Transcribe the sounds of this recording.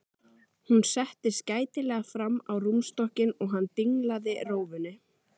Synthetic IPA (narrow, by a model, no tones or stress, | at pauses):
hunsɛht̪ɪscaːjt̪ɪlɛːɣafɾamːawrumst̪ɔhcɪnɔɣɦanːt̪iŋlaðɪroːwvʏnːɪ